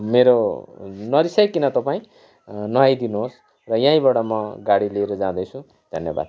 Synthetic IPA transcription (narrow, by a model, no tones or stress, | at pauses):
meɾo | nʌɾisʌjkinʌt̪ʌpaĩ | nʌɦajd̪inuɦos | rʌjãĩbaɽʌmʌɡaɽileːɾʌd͡zãd̪ʌjt͡sʰũ | d̪ʱʌnjeba̰d̪̚